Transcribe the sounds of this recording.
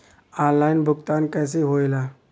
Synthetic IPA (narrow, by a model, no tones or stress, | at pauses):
anlaːjnbʱʊɡ̚t̪aːnkɛːs̬eɦojla